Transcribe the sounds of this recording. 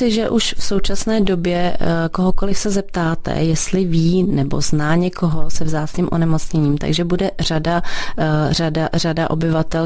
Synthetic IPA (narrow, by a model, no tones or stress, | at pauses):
ɪʒɛʔuʃfso̞wt͡ʃasnɛːdo̞bjɛkoɦoko̞lɪfsɛzɛp̚t̪aːt̪ɛ̰jɛst̪lɪviːnɛbo̞̰znaːɲɛkʰo̞ɦosɛvzaːt͡sɲiːmʔonɛmot͡sɲɛɲiːmt̪a̰ɡʒɛbudɛrada | radaradaʔo̞̰bɪvat̪ɛl